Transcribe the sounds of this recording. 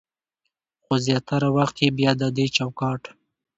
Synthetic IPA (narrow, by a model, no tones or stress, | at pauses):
xozjɑt̪aɾawaxt̪jebjɑd̪ad̪et͡ʃawkɑʈ